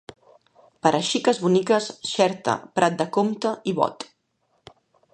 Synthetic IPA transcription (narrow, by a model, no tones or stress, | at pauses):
pəɾʔəʃikəzβunikəsʃɛɾt̪ə̰pɾʔat̪̚d̪əkomt̪əiβɔ̰t̪